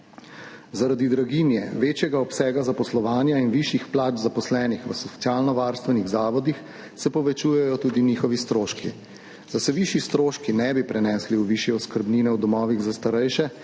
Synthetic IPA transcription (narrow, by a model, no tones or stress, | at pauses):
zaɾad̪id̪ɾaɡiːnjɛ̰ʋeːt͡ʃjɛɡaɔpsɛːɡazapɔslɔʋaːnjainʋiʃixplaːd͡ʒzapɔslɛːnixʋəsɔt̪jaːlnɔʋaːɾst̪ʋɛniɣzaːʋɔd̪ix | sɛpɔʋɛt͡ʃuːjɛjɔt̪uːd̪iniːxɔʋist̪ɾoːʃkḭ | zasɛʋiʃjist̪ɾoːʃkinɛbipɾɛnɛːsliuʋiʃjɛɔskəɾbniːnɛwd̪ɔmɔːʋiɣzast̪aɾɛjʃɛ